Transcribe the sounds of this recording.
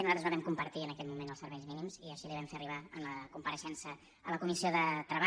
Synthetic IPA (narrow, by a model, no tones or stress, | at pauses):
nuzat̪ɾəzaβɛmkumpəɾt̪iənəkɛt̪mumenəlˠsəɾβɛʎzminimziəʃiliβɛmfeəriβaənləkumpəɾəʃɛnsəː | ləkumisioðət̪ɾəβa